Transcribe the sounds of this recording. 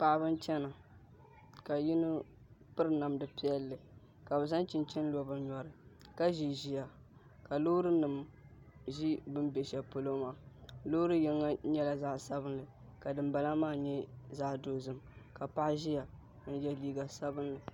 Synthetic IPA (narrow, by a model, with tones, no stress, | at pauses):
pa˨ʔbɨ˦nt͡ʃɛ˦na˨ | ka˨ji˦nɨ˦ | pɨ˦ɾɨ˦na˨mdɨ˨pi˦ɛ˦lːɨ˨ | ka˨bɨ˨za˦nt͡ʃɪ˨nt͡ʃɛ˦n˦lu˨ɔ˦bɨ˦nɲɔ˨ɾɨ˨ | ka˦ʒi˨ʒi˨ja˨ | ka˨lo˦ɾɨ˦nɨ˨m | ʒi˦bɨ˦mbɛ˨ʃɛ˨po˦lo˦maː˨lo˦ɾɨ˦jɪ˦ŋːa˦ɲɛ˦la˨za˦ʔsa˦bɨ˦nlɨ˨ | ka˨dɨ˨mba˨la˦maː˦ɲɛ˦za˦ʔdoː˦zɨ˨mka˨pa˦ʔʒi˦ja˨˦ | n̩˦jɛ˦liː˦ɡa˨sa˦bɨ˦nlɨ˨